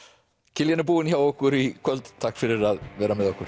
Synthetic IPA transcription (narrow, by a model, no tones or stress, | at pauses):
kʰɪljanɪbuːɪnçawɔkʊɾikʰwœld̪t̪ʰakfɪɾɪɾaðvɛːɾamɛðɔkʊɾ̥